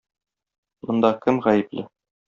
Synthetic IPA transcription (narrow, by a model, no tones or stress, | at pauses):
mŏnd̪ɑkɘmʁæjɘ̆plɘ